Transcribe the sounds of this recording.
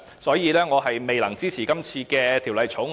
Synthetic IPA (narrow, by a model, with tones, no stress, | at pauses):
sɔː˨˥jiː˨˧lɛː˥ŋɔː˨˧ɦɐ˨jme˨jlɐ˨˩ŋt͡siː˥t͡sʰiː˨˩kɐ˥mt͡sʰiː˧kɛː˧t̪ʰi˨˩wlɐ˨˧jt͡sʰʊ˨˥ŋ